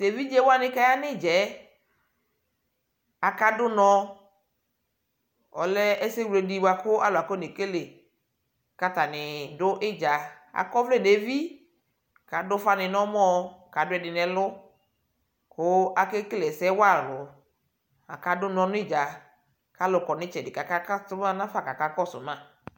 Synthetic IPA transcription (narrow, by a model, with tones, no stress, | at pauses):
se˨vi˦d͡ʒɛ˦wa˦nɪ˦ka˦ja˦nɪ˦˨d͡ʒɛ˨˦ | a˨ka˦dʊ˦nɔ̃˧ | ɔ˨lɛ˦ɛ˦se˦wle˨di˨wa˨kʊ˦a˦la˨kɔ˦ne˨ke˦le˨ | ka˦ta˨nɪ˨dʊ˦ʔɪ˦d͡ʒa˨ | a̰˨kɔ˦vlɛ˦˨ne˨vi˦ | ka˨dʊ˦fa˦nɪ˨nɔ˦mɔ˦ka˨dʊ˦ɛ˨dɪ˨nɛ˨lʊ˦ | kʊ˦a˨ke˦klɛ˨sɛ˦wa˦˨lʊ˨ | a˨ka˦dʊ˦nɔ̃˦nʊ˦ɪ˦d͡ʒa˨ | ka˨˦lʊ˨kɔ˨nɪ˦t͡ʃɛ˨dɪ˨ka˨ka˦ka˦tʊ˦mã˦nã˦fa˨ka˨ka˦kɔ˦˨sʊ̰˨mã˦